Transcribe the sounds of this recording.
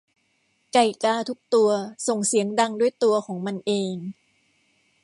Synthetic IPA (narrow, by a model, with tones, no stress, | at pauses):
ka˧˩jkaː˧˥˩t̪ʰu˦˥k̚t̪u˧ɐso˨˩ŋsi˨˩˦əŋda˧ŋdu˥˩əjt̪u˧ɐkʰɔː˩˦ŋma˧nʔeː˧ŋ